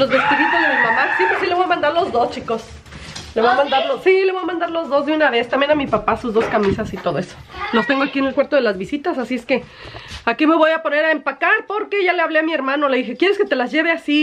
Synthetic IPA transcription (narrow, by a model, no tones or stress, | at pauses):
lo̞zβe̞st̪iðit̪ozðelomamassipɾesile̞βojamãnd̪aɾlo̞zðo̞st͡ʃiko̞s | le̞βojamãnd̪aɾlosileβo̞jamãnd̪aɾlo̞zðo̞zðeunaβe̞st̪ambjenamipapasuzðoskamisasit̪o̞ðo̞e̞so̥lost̪e̞ŋɡoakiene̞lkweɾt̪o̞ðe̞lazβisit̪asasieske̞ | akime̞βo̞japo̞ne̞ɾaempakaɾpo̞ɾkeʝaleaβleamie̞ɾmãnole̞ðixe̞kje̞ɾeske̞t̪e̞lazʝe̞βeasi